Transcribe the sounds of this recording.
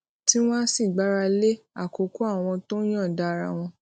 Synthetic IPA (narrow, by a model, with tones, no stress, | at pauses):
ti˦w̃ɔ̃˦si˦˨ɡ͡ba˨˦ɾa˧le˦ | a˦˨ko˨˦ko˦a˦˨w̃ɔ̃˧to˦j̃ã˦˨da˦˧ɾa̰˧w̃ɔ̃˧